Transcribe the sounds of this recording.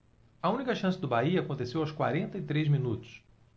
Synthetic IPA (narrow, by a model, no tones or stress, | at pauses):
ɐũnikɐʃɐ̃sɪd̪ʊbaiɐːkõnt̪esewɐwskwa̰ɾẽnt̪ɐit̪ɾezmĩnut̪ʊ̥s